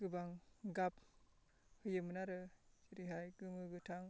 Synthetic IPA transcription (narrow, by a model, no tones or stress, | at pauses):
ɡ̥ɯbaŋɡap̚ | hɯjɯmɯnaɾɯd͡ʒiɾiɦajɡɯŋɯɡɯtʰaŋ